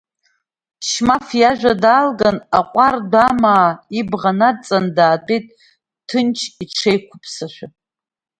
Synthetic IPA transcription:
ʃmafjaʒᶣʷadaːlɡanaqʷʼardʷamaːibʁanat͡sʼandaːdʼejtʼ | tʰɨnt͡ʃʰiʈ͡ʂʰejkʷʰʊpʰʼsaʃʷᶣa

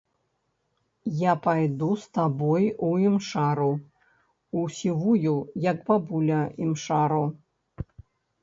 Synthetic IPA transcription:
japajd̪ust̪abɔjuimʂaɾu | usʲivujujɐkbabulʲɐimʂaɾu

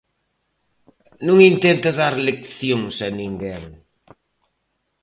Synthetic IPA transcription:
nũŋint̪ent̪ɐðaɾlekθjõŋsɐnĩŋɡeŋ

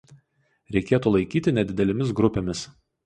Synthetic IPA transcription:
ɾʲɛɪkʲeːt̪uːlˠɐɪkʲiːt̪ʲɪnʲɛd̪ʲɪd̪ʲɛlʲɪmʲɪs̬ɡɾʊpʲeːmʲɪs

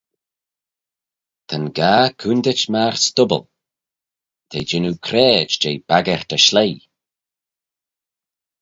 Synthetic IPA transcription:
t̪ʰənɡaːkʰund̪ɪt͡ʃmaɹst̪ʊbə̰l | t̪ʰejd͡ʒɪnukʰɾɛːd͡ʒd͡ʒeːjb̥aɡɛɹ̥t̪əʃleː

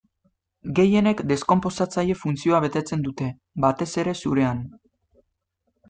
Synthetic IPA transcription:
ɡe̞je̞ne̞kd̪e̞sko̞mpo̞sat͡saʎe̞funt͡sio̞aβ̞e̞t̪e̞t͡se̞nd̪ut̪e̞ | bat̪e̞se̞ɾe̞suɾe̞an

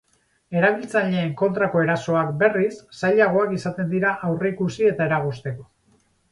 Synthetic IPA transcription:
e̞ɾaβ̞ilt͡saʎe̞ːŋko̞nt̪ɾako̞e̞ɾaso̞akbe̞risːajʎaɣ̞o̞akisat̪e̞nd̪iɾaʔawre̞ikusie̞t̪ae̞ɾaɣ̞ust̪e̞ko

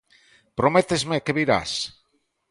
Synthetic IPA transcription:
pɾomet̪ezmekeβiɾa̰s

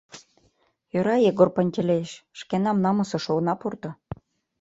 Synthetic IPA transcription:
jøɾɑjeɡorpə̆nʲt̪ʲelʲeʃʃkenɑmnɑmɤ̆sɤ̆ʃonɑpurt̪ɤ̆

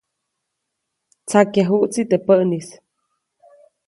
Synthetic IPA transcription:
t͡sakjaɦuʔt͡sit̪əpəʔnis

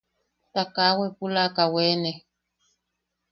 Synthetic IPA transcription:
takawɛpulakawɛːnɛ

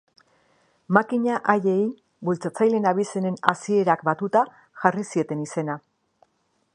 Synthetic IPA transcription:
makiɲaʔaje̞j | bult͡sat͡sajle̞naβ̞ise̞ne̞nasie̞ɾakbat̪ut̪a | ʝarisie̞t̪e̞nise̞na

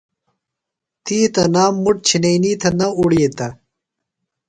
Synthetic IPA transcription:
t̪iːt̪ɐnaːmːuʈ̚t͡ɕʰinejniːt̪ʰɐnɐuɽijet̪ɐ

